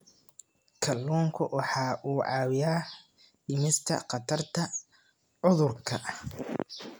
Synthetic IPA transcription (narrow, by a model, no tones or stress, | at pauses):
kʰɐlːuːŋkʰʊwʔɑħɑːʔuːʕɑːwɪjaː | ɖɪmɪst̪ʰɐ̰qɑt̪ʰɐrt̪ʰɐ | ʕʊðʊrkʰɐ